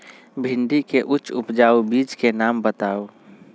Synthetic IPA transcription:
bʱɪɳɖikeʔʊt͡ʃʊpd͡ʒaːubiːd͡ʒkenaːmbət̪aːo

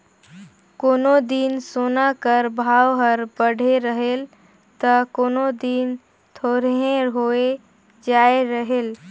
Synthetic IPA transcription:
koːnod̪insonakəɾbʱaːwɦəɾbəɽ̤ʱeɾəɦel | t̪əkoːnod̪in | t̪ʰoːɾɦẽɦoe | d͡ʒaeɾəɦel

